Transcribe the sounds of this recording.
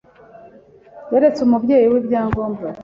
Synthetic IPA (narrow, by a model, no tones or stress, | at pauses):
weɾet͡sumubɟe̞ːjiwibjaːŋɡoːmba